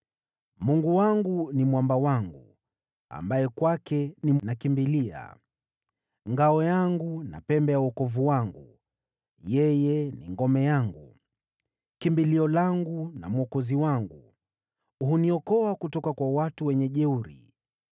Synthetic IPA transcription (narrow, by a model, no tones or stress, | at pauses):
muŋɡuwaŋɡunimwambawaŋɡu | a̰mbajɛkwakɛninakimbilia̰ | ŋɡaɔjaŋɡuna̰pɛmbɛjauɔkɔvuwaŋɡṵ | jɛjɛnḭŋɡɔmɛjaŋɡu | kimbiliɔlaŋɡuna̰mwɔkɔziwaŋɡu | uɦuniɔkɔakutɔkakwawatuwɛɲɛʄɛuɾḭ